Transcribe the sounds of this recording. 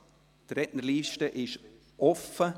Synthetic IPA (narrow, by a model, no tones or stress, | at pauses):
tɾɛʔnəɾliːʃtəʔɪʃ | ʔɔfə